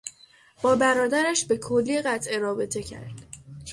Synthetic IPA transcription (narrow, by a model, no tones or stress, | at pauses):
b̥ɒːbæɾɒːd̪æɾæʃbe̞kʰolːiɣæt̪ʰʔe̞ɾɒːbe̞t̪ʰe̞cʰæ̰ɾd̪̥